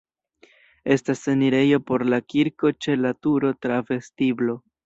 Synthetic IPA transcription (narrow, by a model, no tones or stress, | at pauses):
e̞staseniɾe̞jo̞po̞ɾlakiɾko̞t͡ʃe̞latuɾo̞tɾave̞stiblo̞